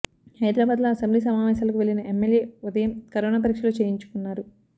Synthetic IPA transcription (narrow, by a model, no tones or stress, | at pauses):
hɐjd̪ɾaːbaːd̪loːɐsɐmbliːs̬ɐmaːʋɛːsaːlɐkuʋe̞ɭinɐʔemːe̞ljeːud̪ɐjɐmkɐɾoːnaːp̬ɐɾikʂɐloːt͡ʃe̞ːjiɲt͡ʃu̥kunːaːɾu